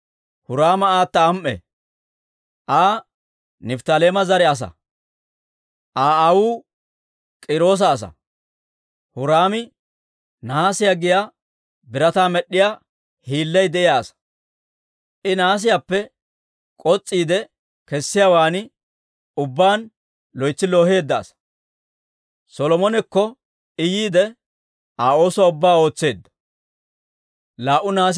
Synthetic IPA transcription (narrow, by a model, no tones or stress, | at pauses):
hʊɾaːmɐaːt̪ːɐːmʔɛ̰ | ʔaː | nɪft̪ɐleːmɐzɐɾɛɐs̬ɐ̰ | ʔaːɐwuː | kʼɪɾo̞ːs̬ɐːs̬ɐ̰ | hʊɾaːmɪ | naːsɪjaɡɪja | bɪɾɐt̪aːmɛɗːɪjaː | hiːlːɛjd̪ɛʔɪjaːsɐ̥ | ʔɪnaːs̬ɪjapːɛ | kʼɔt͡sʼːiːd̪ɛ | kɛsːɪjawaːnɪ | ʊbːaːn | lɔjt͡sːɪlo̞ːhe̞ːd̪ːa̰ːsɐ̥ | sɔlɔmɔnɛkːɔ | ɪjiːd̪ɛ | aːo̞ːswaʊbːaːo̞ːt͡sːe̞ːd̪ːɐ̥ | laːʔʊnaːs̬